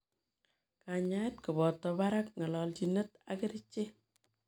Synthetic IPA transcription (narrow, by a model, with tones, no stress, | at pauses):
ka˨ɲa˦tku˨bɔ˨tːɔ˨ba˦ɾa˦k̚ŋɔ˨lɔ˨lt͡ʃinə˦ta̰kɪ˦ɾɪ˦t͡ʃːe˦